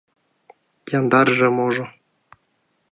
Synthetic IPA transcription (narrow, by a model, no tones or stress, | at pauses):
jɑnd̪ɑrʒĕmoʐɤ̆